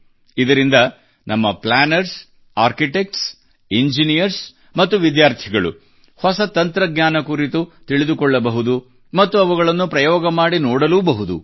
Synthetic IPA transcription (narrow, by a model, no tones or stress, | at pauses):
id̪ɐɾind̪ɐ | nʔɐmːɐpɭaːnɐɾs | aːɾkiʈek̚ʈs | eɲd͡ʒinijɐɾs | mɐt̪ːuʋid̪jaːɾt̪ʰiɡɐɭṵ | hɔsɐt̪ɐnt̪ɾɐɡɲaːnɐkuɾit̪ut̪iɭid̪ukɔɭːɐbɐɦud̪u | mɐt̪ːuɐʋuɡɐɭɐnːupɾɐjɔːɡɐmaːɽinɔːɽɐluːbɐɦud̪ṵ